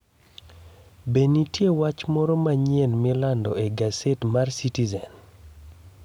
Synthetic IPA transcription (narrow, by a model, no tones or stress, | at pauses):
benitjewat͡ʃmɔɾɔmaɲienmɪlandɔʔeɡasetmarsitizɛn